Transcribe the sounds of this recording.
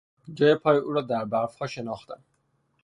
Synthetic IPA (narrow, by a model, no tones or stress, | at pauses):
d͡ʒɒːjepʰɒːjeuːɾɒːd̪æɾbæɾfhɒːʃe̞nɒːxt̪æn